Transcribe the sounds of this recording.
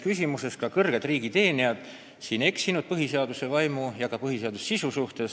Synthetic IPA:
kysʲimuse̞skɑkɤrɡ̥e̞d̪riːɡ̥it̪e̞ːniɑd̪̥ | siːne̞ksinud̪̥̚pɤɦiseɑd̪̥use̞vɑjmujɑkɑpɤɦiseɑd̪usːsisusuht̪e̞s

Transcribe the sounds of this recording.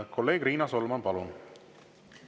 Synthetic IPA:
kʰɔlːeːɡɾiːnaːsɔlɐmaːnpalon

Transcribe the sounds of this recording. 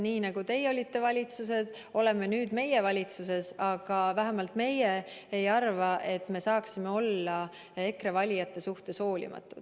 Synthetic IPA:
niːnɑɡ̥ut̪e̞jo̞lʲit̪ːe̞vɑlʲit̪suse̞d̪̥ | o̞le̞me̞nyːd̪me̞jevɑlʲit̪suse̞sɑɡ̥ɑvæɦæmɑlt̪me̞je | ejɑrvɑʔe̞t̪ːˑme̞sɑːksime̞o̞lːɑ | e̞kre̞vɑlʲijɑt̪ːe̞suht̪e̞sho̞ːlʲḭmɑ̰t̪ːˑud̪̥

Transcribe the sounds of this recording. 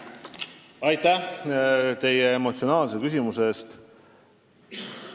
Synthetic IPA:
ɑjt̪æ | t̪e̞jeemo̞t̪sio̞nɑːlsekys̬ʲimuse̞ːst̪

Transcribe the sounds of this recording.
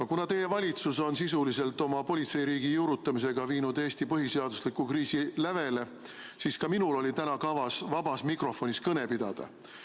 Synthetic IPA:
ɑkunɑt̪e̞je̞vɑlʲit̪suso̞nsisulise̞lt̪ːˑo̞mɑpo̞lʲit̪se̞jɾiːɡijuɾut̪ːˑɑmis̬e̞ɡ̥ɑviːnud̪̥e̞ːst̪ipɤɦise̞ɑd̪̥uslikːukriːsilæve̞le̞ | siːskɑminulo̞lʲit̪ænɑkɑvɑsvɑbɑsmikro̞fo̞nʲiskɤne̞pid̪̥ɑ̰d̪̥ɑ̰

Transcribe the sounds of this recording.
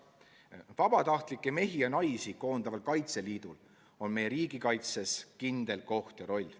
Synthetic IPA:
vɑb̥ɑt̪ɑht̪likːˑe̞me̞ɦiɑnɑjsiko̞ːnd̪ɑvɑlkɑjt̪se̞liːd̪̥ul | o̞nme̞je̞ɾiːɡ̥ikɑjt̪se̞skind̪̥e̞lko̞ht̪jɑɾo̞lʲː

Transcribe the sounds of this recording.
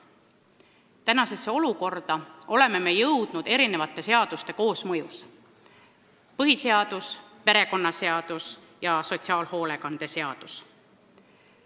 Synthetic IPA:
t̪ænɑse̞sːeo̞luko̞rd̪̥ɑo̞le̞me̞me̞jɤwd̪̥nud̪̥e̞ɾine̞vɑt̪ːˑe̞se̞ɑd̪̥ust̪e̞ko̞ːsmɤjus | pɤɦise̞ɑd̪̥uspe̞ɾe̞ko̞nːɑse̞ɑd̪̥us | jɑso̞t̪siɑːlho̞ːle̞kɑnd̪̥e̞se̞ɑd̪̥us

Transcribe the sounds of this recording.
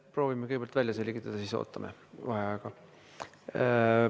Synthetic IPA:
pro̞ːvimekɯjɡbelt̪væljɑse̞lʲɡit̪ːˑɑd̪̥ɑsiso̰ːt̪ːˑɑmʔeɑheɑˑjeɡ̥ɑ

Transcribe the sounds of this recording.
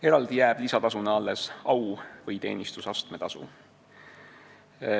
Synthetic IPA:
e̞ɾɑld̪ijæːb̥lisɑt̪ɑsuneɑlːe̞sɑwvɤjt̪e̞̰ːnist̪usɑst̪me̞t̪ɑsṵ

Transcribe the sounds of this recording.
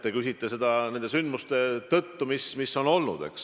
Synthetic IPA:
t̪ːekysʲit̪ːˑese̞d̪ɑne̞nd̪e̞synd̪must̪e̞t̪ɤt̪ːumismisːo̞no̞lnṵd̪̥e̞̰ks

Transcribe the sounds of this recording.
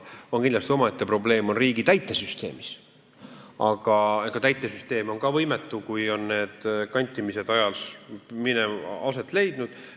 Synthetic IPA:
o̞nkind̪lɑst̪io̞mɑet̪ːepro̞ble̞ːmo̞nriːɡ̥it̪æjt̪ːˑe̞syst̪e̞̰ːmis | ɑɡ̥ɑeɡ̥ɑt̪æjt̪ˑːe̞syst̪e̞ːmo̞nkɑvɤjmet̪ˑːukujo̞nːe̞ːd̪̥kɑnʲt̪ʲˑːimise̞d̪ɑjɑlsmineɑse̞t̪ːˑle̞jd̪̥nud̪̥

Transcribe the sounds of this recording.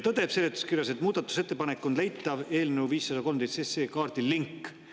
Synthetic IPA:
t̪ɤd̪e̞pselːet̪ːu̥skirjɑse̞t̪muːd̪̥ɑt̪ːˑu̥se̞t̪ːe̞pɑnekːˑonle̞jt̪ːˑɑve̞ːlne̞wviːsːɑd̪ɑko̞lmt̪et̪seseːkɑːrd̪̥ilːiŋkː

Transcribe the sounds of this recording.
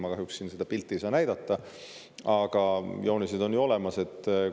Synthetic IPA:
mɑkɑɦjuksːiːnse̞d̪̥ɑpilt̪ːˑisɑnæjd̪ɑt̪ːɑ | ɑɡ̥ɑjoːnised̪o̞njuo̞le̞mɑse̞t̪ːˑ

